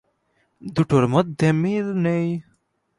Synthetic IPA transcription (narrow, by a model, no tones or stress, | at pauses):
d̪uʈoɾmɐt̪̚d̪emilnej